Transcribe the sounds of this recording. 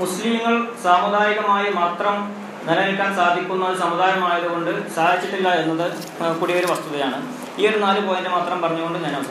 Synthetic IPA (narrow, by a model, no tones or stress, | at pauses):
muslimŋːɐɭsaːmud̪ʱaːjiɣɐmaːjɐmaːt̪rɐm | nɐlɐelkʲːaːnsaːd̪ʱikʲːunːɐðɨsɐmud̪ʱaːjɐmaːjɐðuɣo̞ɳɖɨsaːd̪ʱit͡ɕːiʈːilːɐenːɐðɨ | kuɽiʋɐɾuʋɐst̪uðɐjaːɳɨ | iːɐɽnaːlɨpoːjɐndemaːt̪rɐmpɐrɐɲːuɣo̞ɳɖɨɲɐnɐm